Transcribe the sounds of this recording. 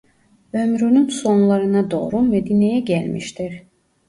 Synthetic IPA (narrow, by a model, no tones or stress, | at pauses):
ømɾynynso̞nlˠɑɾɯnɑd̪o̞̰ːɾumæd̪inejæɟælmḭʃt̪iɾ